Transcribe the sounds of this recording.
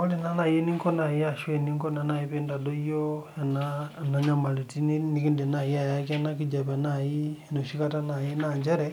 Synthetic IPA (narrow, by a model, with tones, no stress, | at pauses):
ɔ˦le˨na˦na˨je˦ni˦ŋkɔ˦na˨i˦a˨ʃwɛ˨ni˦ŋkɔ˦na˨na˨i˦pe˦nda˨dɔ˦ijɔ˦a˨nana˦ɲa˦ma˨li˨ti˦nni˦ki˦nde˨na˨ji˦a˨ja˦k̬i˦a˦na˦ki˦d͡ʒa˨pɛ˨na˨ji˦˨no˨ʃi˦ka˦ta˦na˨ji˦na˨ɲd͡ʒɛ˦ɾɛ